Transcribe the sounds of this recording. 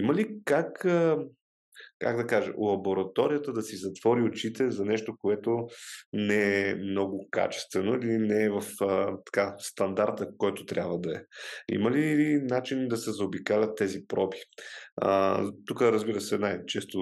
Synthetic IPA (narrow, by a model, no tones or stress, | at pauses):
iməlikakə | kaɡd̪ɐkaʒɛ̰lˠɐboɾɐt̪ɔɾijət̪əd̪ɐsizɐt̪v̥ɔɾiot͡ʃit̪ɛzɐnɛʃt̪okoɛt̪onɛɛmnɔɡʊka̰t͡ʃɛ̥st̪vɛnoilinɛvɐfət̪ɐ̥kast̪ɐnd̪aɾt̪əkɔjt̪ot̪ɾʲʔabvəd̪ɐɛḭməlinat͡ʃind̪ɐsɛzɐobikalʲət̪ːɛzipɾɔbi̥ə̰t̪ukəɾəzbiɾəsɛnajt͡ʃɛst̪o